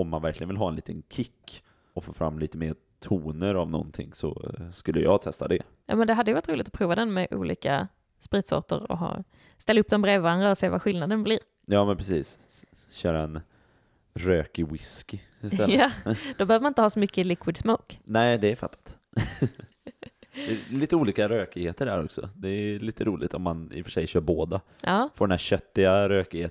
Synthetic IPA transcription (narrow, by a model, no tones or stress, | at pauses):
ɔmːanvæɾklɪɡənvɪlɦɑːɛnliːt̪ənkʰɪkː | ɔfoːɾfɾa̰mːliːt̪əmeːɾ | t̪ʰuːnəɾavnɔ̰nt̪ʰɪ̰ŋsɔ̰skɵlːəjɑːɡt̪ʰɛst̪ad̪ɛ̰ | jɑ̰ːmɛnd̪ɛɦad̪ːjʏvaɾʈ̪t̪ɾuːlɪɡt̪ɔ̥pʰɾuːvad̪ɛnmɛʔṵːlʔḭːka̰ | spɾiːt̪sɔ̰ʈə̰ɾɔ̰ɦɑ̰ː | st̪ɛlːaɵp̚ːd̪ɔmbɾeːvvaɾand̪ɾaɔseːvaɧɪlnad̪ənbliːɾ | jɑːmɛnpʰɾɛsiːs | ɕœːɾaɛn | ɾøːkɪwɪskɪ | ɪst̪ɛlɑd̪ɔbɛhøːvəmanɪnt̪əhɑːsɔmʏkːəlɪkʰwɪd̪smoːknɛɪd̪ɛɛɾfa̰t̪ʰːḁt̪ | d̪ɛliːt̪əuːliːkaɾøːkɪɡheːt̪əɖæ̰ɾɔ̰ksɔ̰d̪ɛːliːt̪ʰəɾuːlɪ̰ɡt̪ɔmːanɪ̰fəʂɛjɕœːɾboːd̪aʔɑːfɔɾɖɛnæɾɕœt̪ːɪɡaɾøːkɪheːt̪